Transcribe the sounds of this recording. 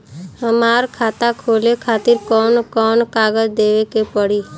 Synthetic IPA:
ɦəmaːɾkʰaːt̪akʰoːlekʰaːt̪ɪɾkɔːnkɔːnkaːɡəd͡ʒd̪eːwekepəɽiː

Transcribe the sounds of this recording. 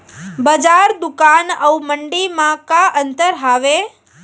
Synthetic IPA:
bəd͡ʒaɾd̪ukanəuməɳɖimãkaʔənt̪əɾɦaʋe

